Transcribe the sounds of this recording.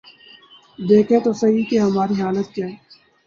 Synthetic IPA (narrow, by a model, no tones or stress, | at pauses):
d̪eːkʰẽt̪osɐɦikeɦɐmaːɾiɦaːlət̪̚kjaːɦɛ